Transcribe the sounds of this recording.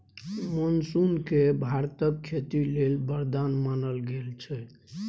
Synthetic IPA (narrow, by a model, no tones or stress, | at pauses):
monsunkebʱaɾt̪əkkʰet̪ilelbəɾd̪anmanəlɡelt͡ʃʰɛ